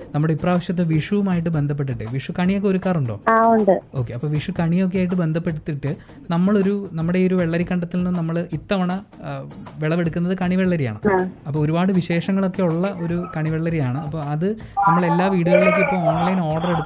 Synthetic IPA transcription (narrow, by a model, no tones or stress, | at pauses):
nɐmːuɽeipːraːʋɐɕjɐt̪ːeʋiʂuʋumaːjiʈ̬ːɨbe̞nd̪ʱɐp̬ːeʈːiʈːɨʋiʂukɐɳijo̞k̬ːe̞oɾukːaːruɳɖo̞ːaːuɳɖɨo̞ːkːe̞ɐpːo̞ːʋiʂukɐɳijo̞k̬ːe̞jaːjiʈ̬ːɨbe̞nd̪ʱɐpːe̞ɽut̪ːiʈːɨ | nɐmːɐɭo̞ɾunɐmːuɽe̞io̞ɾuʋeɭːɐɾikːɐɳɖɐt̪ːilnɨnɐmːɐɭit̪ːɐʋɐɳɐ | ʋeɭɐʋeɽukːunːɐðɨkɐɳiʋeɭːɐɾija̰ːɳɨaːɐpːoːoɾubaːɽɨʋiɕe̞ːʂɐŋːɐɭo̞kːeuɭːɐʔo̞ɾukɐɳiʋeɭːɐɾijaːɳɨɐpːoːɐðɨ | nɐmːɐɭe̞lːaːʋiːɽuɣɐɭiɭek̬ːɨipːoːoːnlɐjno̞ːɽɐreɽut̪ː